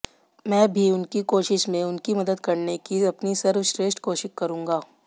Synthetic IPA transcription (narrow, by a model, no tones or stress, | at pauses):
mɛ̃ːbʱiʊnkikoːʃɪʃmẽʊnkimɐd̪əd̪kɐɾnekiɐpnisɐɾwʃɾeːsʈkoːʃɪkkɐɾũːŋɡaː